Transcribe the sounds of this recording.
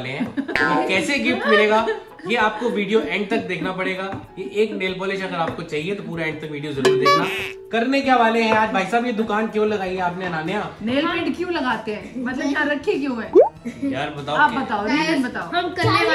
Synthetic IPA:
leɦɛ̃kɛːseɡɪfʈmɪleːɡaː | jeaːp̚koʋiːɖijoʔɛ̃ːɳɖ̚t̪ɐk̚d̪eːkʰnapɐɽeːɡaːjeʔeːkneːlpɔːlɪʃɐɡəɾaːp̚kot͡ʃaːɦiet̪opuːɾaɛ̃ːɳɖ̚t̪ɐkʋiːɖijozɐɾuːɾd̪eːkʰnaːkɐɾnek̬jaːʋaːleɦɛ̃aːd͡ʒbʱaːisaːbjed̪ʊkaːnkjõːlɐɡaːiɦɛ̃aːp̬neɐnaːnejaːneːlpẽːɖkjũlɐɡaːt̪eɦɛ̃ːmɐt̪lɐbaːɾɐkʰek̬jõɦɛːjaːɾbɐt̪aːoaːpbɐt̪aːoaɾbɐt̪aːoɐmkɐne

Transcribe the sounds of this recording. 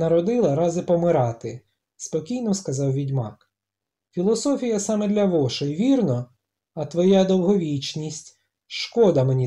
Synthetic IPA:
nɐɾɔd̪ɪlˠɐɾɑzɪpɔmɪɾɑt̪ɪ | spɔkʲijnɔskɐzɑwʋʲidʲmɑk | fʲilˠɔsɔfʲijɐsɑmɛd̪lʲɐʋɔʃɔiʋʲirnɔ | ɐt̪ʋɔjad̪ɔwɦɔʋʲit͡ʃnʲisʲtʲ | ʃkɔd̪ɐmenʲi

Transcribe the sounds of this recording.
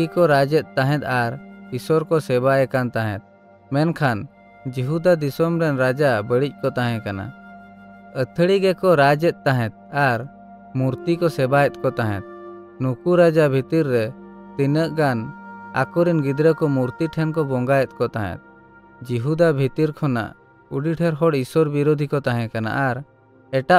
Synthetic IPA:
ikɔɾad͡ʒɛt̪̚ˀt̪aɦɛ̃t̪̚aɾiswɔɾkɔsɛbaɛkant̪aɦɛ̰̃t̪̚ | mɛnkʰan | d͡ʒiɦud̪ad̪isɔmɾɛnɾad͡ʒabəɽic̚kɔt̪aɦɛ̃kana̰ | ət̪ʰɽiɡɛkɔɾad͡ʒɛt̪̚ˀt̪aɦɛ̃t̪̚aɾ | muɾt̪ikɔsɛbajɛt̪̚ˀkɔt̪aɦɛ̰̃t̪̚ | nukuɾad͡ʒabʱit̪iɾːɛt̪inəʔɡana̰kɔɾinɡid̪ɾəkɔmuɾt̪iʈʰɛnkɔbɔŋɡajɛt̪̚ˀkɔt̪aɦɛ̰t̪̚ | d͡ʒiɦud̪abʱit̪iɾkʰɔna̰ʔ | uɖiʈʰɛɾɦɔɽiswɔɾbiɾod̪ʱikɔt̪aɦɛ̃kana̰ʔaɾ | ɛʈa

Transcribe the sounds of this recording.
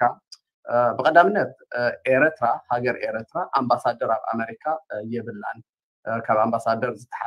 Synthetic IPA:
a | bɨkʼɐd̪amɨnːɐt̪̚ʔeɾt̪ʰɾahaɡɐɾʔeɾt̪ɾaʔambasad̪ːɐɾaβa̰meɾikʰajɛβɨlːan | kʰaβambasad̪ɐɾzɨt̪ʰɐ̥ħa

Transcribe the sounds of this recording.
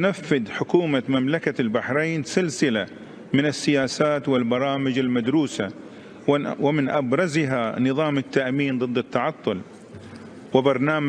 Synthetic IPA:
nafːɪd̪ħʊkuːmamamlakalbaħɾejnsɪlsɪla | mɪnɪsːɪjaːsaːt̪wɪlbɑɾˤɑːmɪd͡ʒalmad̪ɾuːsa | wɪmɪnʔabɾˤɑzɪɦanɨðˤɑːmɪt̪ːaʔmiːnd̪ˤɨd̪ːɪt̪ːɑʕɑt̪ˤːʊl | wɪbɑɾˤnaːm

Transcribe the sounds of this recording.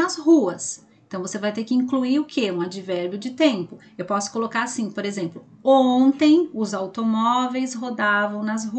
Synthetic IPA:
ɐzhuɐs | ẽt̪ɐ̃w̃vosevajt̪eɾkɪĩŋkluiʊkʰeũad͡ʒivɛɾbjʊd͡ʒɪt̪ẽmpʊ | ewpɔsʊ̥kolokaɾasĩpoɾezẽmplʊ | õt̪ẽj̃ʊzawt̪omɔvejsɦod̪avɐ̃w̃nɐzɦu

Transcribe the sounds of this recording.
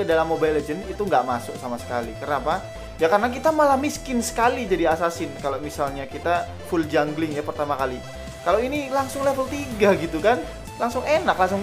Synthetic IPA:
ədalamːobajled͡ʒənit̪uŋɡaʔmasʊk̚samasə̥ka̰lḭkərnapa | jakarənak̬it̪amalahmiskɪnsə̥kalid͡ʒadiasasɪnkalomisalɲakit̪a | fuld͡ʒaŋɡlɪŋjapərt̪amakali | kalowinilaŋsʊŋlefəlt̪iɡaɡit̪ukan | laŋsʊŋenaklaŋsʊŋ

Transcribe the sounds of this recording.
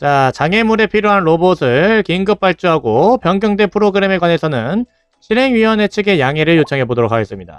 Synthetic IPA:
t͡ɕat͡ɕaŋe̞muɾe̞pʰiɾjoɦanɾobosʰɯɭkiŋɡɯp̚p͈aɭt͡ɕ͈uɦaɡopjʌŋɡjʌŋde̞pʰɯɾoɡɯɾe̞me̞ɡwane̞sʰʌnɯn | ɕʰiɾɦe̞ŋɥiwʌne̞t͡ɕʰɯɡe̞jaŋe̞ɾɯɭjot͡ɕʰʌŋɦe̞bodoɾokʰaɡe̞s͈ɯmɲida̰

